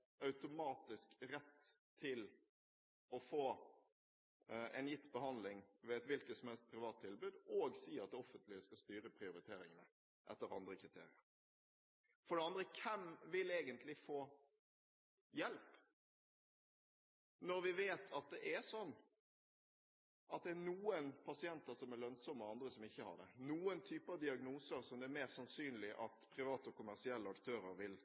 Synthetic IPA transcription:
ɑʉt̪ʊmɑːt̪ɪskɾɛt̪ʰː | ɪl | ɔfoː | ɛnjɪt̪ːbəhɑnlɪŋʋɛɛt̪ʋɪlkəsɔmhɛlst̪̚pʰɾɪʋɑːt̪ʰːɪlbʉd̪oːɡsiːɑt̪ɔfːənt̪lɪəskɑst̪yːɾəpʰʁɪʊɾɪt̪ʰeːɾɪŋənə | ʔɛ̰t̪ːəɾɑ̰nd̪ɾəkʁɪt̪ʰḛːɾɪəɾ | fɔɖɛɑnd̪ɾəkʰɛmʋɪleːɡənt̪lɪfoː | jɛlp | nɔɾʋɪʋeːt̪ʰɑt̪̚d̪ɛʔæsɔnː | ʔɑt̪̚d̪ɛænuːənpʰɑsɪɛnt̪əɾsɔmælœnsɔmːəɑnd̪ɾəsɔmɪçːəhɑ̰ɖɛ̰nuːənt̪ʰyːpəɑʋd̪ɪɑɡnuːsəɾsɔmd̪ɛæɾmeːʁsɑnsyːnlɪʔɑt̪pʰʁɪʋɑːt̪ɔkʰʊmæʁsɪɛlːəɑkt̪ʰøːɾəɾʋɪl

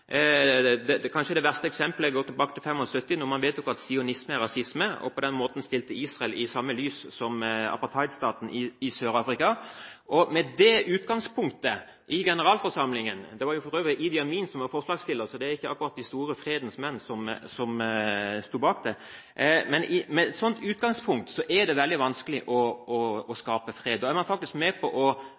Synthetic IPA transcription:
d̪ɛkʰɑnʃəd̪ɛʋæʁst̪əɛksɛmpləɡɔːt̪ʰːɪlbɑːkət̪ʰɪlfɛmːɔsœt̪ːɪnɔɾmɑnʋeːt̪jʊkɑt̪sɪʊnɪsməɛɾɑsɪsməɔ̰pʰɔd̪ɛnmoːt̪n̩st̪ɪlt̪əiːsʁɑɛlɪsɑmːəlyːssɔmɑ̰pɑʁt̪ʰɑɪd̪st̪ɑːt̪n̩ʔɪɪsøːɾɑːfʁɪkɑʔɔmɛd̪ɛʔʉːt̪ɡɑŋspʰʊŋk̚t̪ə | ʔɪɡɛnəɾɑːlfɔɾʂɑmlɪŋənd̪ɛʋɑɾjʊfɔɾøːʋəɾəʔɪd̪ɪɑmiːnsɔmʋɑɾfɔʁʂlɑːɡst̪ɪlːəsɔd̪ɛæɾɪçːəɑ̰kːʊɾɑt̪̚d̪ɪst̪uːɾəfɾeːd̪n̩smɛnːsɔmsɔmst̪uːbɑːk̚d̪ɛ | mɛnʔɪmɛsɔnt̪ʰʉːt̪̚ɡɑŋspʰʊŋk̚t̪sɔʔæd̪ɛʋɛld̪ɪʋɑnskəlɪʔɔɔːskɑːpəfʁeːd̪d̪oːæɾmɑnfɑkt̪ɪskmɛːpʰɔʔɔ

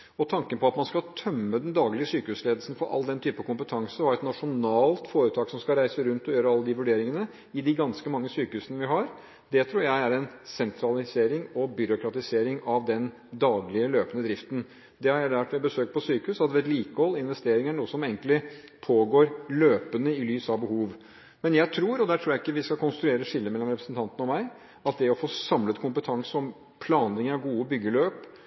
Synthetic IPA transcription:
ɔt̪ʰɑŋkənpʰɔɑt̪mɑnskɑlt̪ʰœmːəd̪ɛnd̪ɑːɡlɪəsyːkəhʉːsleːd̪l̩sn̩fɔɾʔɑ̰lːd̪ɛnt̪ʰyːpəkʊmpət̪ʰɑŋsəɔhɑɾɛt̪nɑʂʊnɑːlt̪foːɾʉt̪ʰɑːksɔmskɑɾæɪsəɾʉnt̪ɔjøːɾəɑlːəd̪ɪʋʉɖeːɾɪŋənə | ɪd̪ɪɡɑnskəmɑŋːəsyːkəhʉːsən̩ʋɪɦɑɾ | d̪ɛt̪ʰɾuːɾjæɪæɾɛnsɛnt̪ʰɾɑlɪseːɾɪŋɔbʏɾʊkɾɑt̪ɪseːɾɪŋɑʋd̪ɛn | d̪ɑːɡlɪəløːpənəd̪ɾɪft̪n̩ | d̪ɛhɑɾjæd̪ʋæʈːʋɛbəsøːk̚t̪pɔsyːkəʉsɑt̪ʋɛːt̪liːkəhɔlːɪnʋɛst̪eːɾɪŋəɳɳuːəsɔmeːŋklɪ | pʰoːɡoːɾløːpənəɪlyːsɑʋbəhuːʋ | mɛnjæɪt̪ʰɾuːɾɔd̪æːʈ̪ʰɾuːɾjæɪkːəʋɪskɑkʰʊnst̪ɾʉeːɾəʂɪlːəmɛlːɔmɾɛpɾəsənt̪ɑnt̪ənəɔmæɪ | ɑt̪̚d̪ɛɔfoːsɑmlət̪kʰʊmpət̪ʰɑŋsɔm | pʰlɑːnlɪŋəɾɑʋɡuːəbʏɡːəløːp

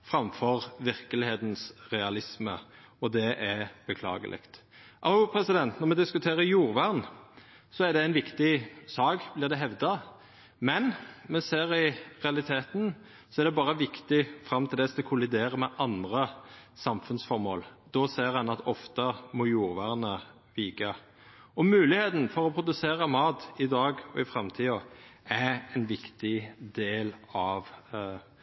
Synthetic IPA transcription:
fɾɑmfɔʁʋɪʁkəlɪheːt̪nsʁɛɑlɪsmə̰ | ɔd̪ɛʔæb̥əkʰlɑ̰ːɡə̰lʔɪ̰kt̪ʔɑpʰɾɛsɪd̪ɛnt̪nɔʁmɛd̪ɪskʉt̪ʰeːʁəjuːʁʋæʁn | sɔæʁd̪ɛæɪnʋɪkt̪ɪsɑːkblɪʁd̪ɛɦɛʋd̪ɑ | mɛnmɛseːɾɪʁɛɑlɪt̪ʰeːt̪n | sɔæʁd̪ɛbɑːɾəʋɪkt̪ɪfɾɑmt̪ʰɪld̪ɛsk̪ɔkʰʊlɪd̪eːɾəmɛʔɑnd̪ʁəsɑmfʉnsfɔʁmoːld̪ɔseːʁɛnɑt̪ɔft̪əmɔjuːɾʋæːʁnə | ʋiːkɑ | ɔmʉːlɪheːt̪n̩fɔʁɔpʰɾʊd̪ʉseːɾəmɑːt̪ɪd̪ɑːɡɔɪfɾɑmt̪ʰiːɑæɛnʋɪkt̪ɪd̪eːlɑʋ

